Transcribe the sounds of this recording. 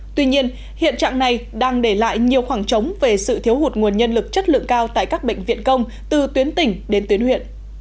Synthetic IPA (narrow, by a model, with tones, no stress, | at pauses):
t̪wi˧ɲi˧ən | hḭ˧˨ənt͡ɕa̰ː˧˨ŋna˨˩jɗaː˧ŋɗe˧˩la̰ː˧˨jɲi˨˩əwxwaː˧˩ŋt͡ɕə˨˦wŋ͡mve˨˩sɨ̰˧˨t̪ʰi˨˦əwhu˨˩t̚ŋu˨˩ənɲə˧nlɨ˨˩k̚t͡ɕə˦˥t̚lɨ̰˧˨əŋkaː˧wt̪a̰ː˧˨jkaː˦˥k̚ɓḛ˧˨ŋ̟vḭ˧˨ənkə˧wŋ͡m | t̪ɨ˨˩t̪wi˨˦ənt̪ï˧˩ŋ̟ɗe˨˦nt̪wi˨˦ənhwḭ˧˨ən